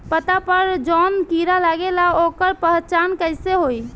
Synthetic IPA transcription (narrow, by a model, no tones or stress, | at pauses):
pət̪apəɾd͡ʒɔnkiɾalaɡelaokəɾpəɦt͡ʃankəɪseɦoj